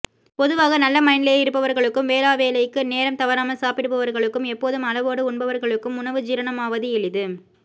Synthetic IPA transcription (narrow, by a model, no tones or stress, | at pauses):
pɔðɯʋaːɣɐnɐlːɐmɐɪnɪleːɪɾɯpːɐʋɐɾɣɐɭɯkːɯmʋeːlaːʋeːlɐjkːɯneːɾɐmt̪ɐʋɐɾaːmɐlsaːpɪɽɯpːɐʋɐɾɣɐɭɯkːɯmɛpːoːðɯmɐlɐʋoːɽɐʊɳbɐʋɐɾɣɐɭɯkːɯmʊɳɐʋɯd͡ʒɪɾɐnɐmaːʋɐðɯɛɭɪðɯ